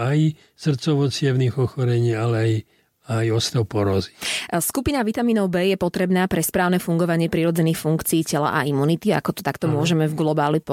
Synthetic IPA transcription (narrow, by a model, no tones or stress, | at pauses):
aj | sr̩t͡sɔʋɔt͡sɪjɛʋniɣɔxɔɾɛɲiːalɛaj | ajɔst̪ɔʊpɔɾɔzi̥skupinaʋit̪amiːnɔʊbɛːjɛpɔt̪ɾɛbnaːpɾɛspɾaːʊnɛfuŋɡɔʋaɲɪɛpɾiɾɔd͡zɛniːxfuŋkt͡siːcɛla̰ʔaimunit̪ia̰kɔt̪ɔ̥t̪akt̪ɔmʊɔʒɛmɛvɡlɔbaːlip